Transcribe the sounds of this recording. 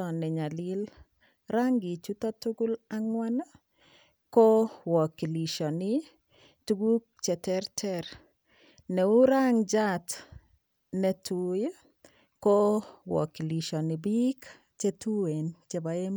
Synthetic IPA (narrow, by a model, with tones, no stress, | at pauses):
ɔ˨nːɛ˨ɲa˨lɪ˦l | ɾaŋɡi˨t͡ʃu˦ta˦tuɡu˦laŋwa˦na˦ | ko˦wɔ˨ki˨li˨ʃɔ˨ni | tu˦ɡu˦k̚t͡ʃɛ˨tɛɾtʰɛɾ | nɛ˨u˦ɾaŋd͡ʒat | nɛ˨tʰuj | ko˦wɔ̰˨ki˨li˨ʃɔ˨ni˨bi˦k | t͡ʃe˦tu˦we˨nt͡ʃe˨ba˨e˦m